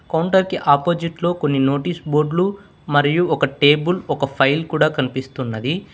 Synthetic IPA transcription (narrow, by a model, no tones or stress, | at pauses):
kɐwɳʈɐɾkiʔaːpo̞ːd͡ʒiʈlo̞ːko̞nːino̞ːʈiːsbo̞ːɾɖlu | mɐɾijuɔkɐʈe̞ːbulɔkɐpʰɐjlkuːɽaːkɐnipist̪unːɐd̪i